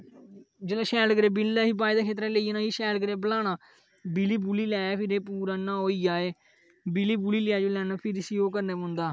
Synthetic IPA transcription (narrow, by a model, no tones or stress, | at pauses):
d͡ʒəlãːʃɛːlɡəɾeːbɪlːaːɦiːbaːid̪aːkʰeːt̪ɾaːleiːenãːɦiːʃɛːlɡəɾeːbəlaːnaː | biliːbuːliːlɛːaːpʰɪɾeːpuːɾaːnãːɦoːiːd͡ʒaːeː | biliːbuːliːlɪaːd͡ʒoːlɛːnaːpʰɪɾɪsiːoːkəɾneːmʊ̃nd̪aː